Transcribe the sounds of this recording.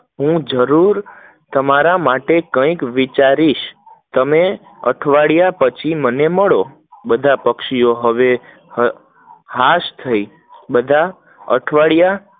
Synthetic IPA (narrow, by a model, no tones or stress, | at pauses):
ɦũd͡ʒəɾuɾ | t̪əmaɾamaʈekə̃ikʋit͡ʃaɾiʃ | t̪əme | ə̰ʈʰʋaɭijapət͡ʃʰiməneməɭo | bəd̪ʱapəkʃijoɦəʋe | ɦaʃt̪ʰəi | bəd̪ʱa | ə̰ʈʰʋaɭija